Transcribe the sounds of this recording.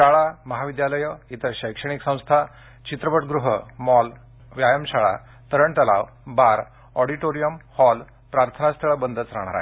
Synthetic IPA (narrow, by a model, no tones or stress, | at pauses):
ʃaɭaməɦaʋid̪jaləjəit̪ʰəɕəjkʂəɽ̃iksə̃w̃st̪ʰa | t͡ɕit̪ɾəpəʈɡɾuɦəmɔl | ʋjajəmɕaɭa̰ | t̪əɾəɳt̪əla̰ʋ | baɾ | ɔɽiʈoɾijəmhɔl | pɾaɾt̪ʰənast̪ʰəɭəbənd̪ʱət͡sɾaɽ̃aɾa̰